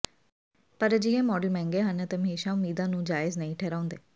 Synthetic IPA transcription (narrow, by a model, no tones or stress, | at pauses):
pəɾd͡ʒɪɦẽːmɔːɖəlmɛ̃ːŋɡeːɦənət̪emeːʃaːʊmiːd̪ãːnũːd͡ʒaːɪznəĩːʈʰɛːɾãːʊ̃nd̪eː